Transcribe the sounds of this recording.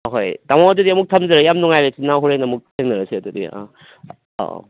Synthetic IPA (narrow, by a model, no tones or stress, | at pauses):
aɦojtamawɐdudiɐmuk̚tʰɐmzɐɾɐjamnuŋajɾesinawɦuɾenɐɐmuk̚tʰeŋnɐɾɐsiɐdudḭa̰